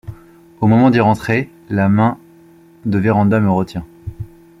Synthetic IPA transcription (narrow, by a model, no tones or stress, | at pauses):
omɔmɑ̃d̪iʁɑ̃t̪χe | lamɛ̃ | d̪əveʁɑ̃d̪aməʁət̪jɛ̃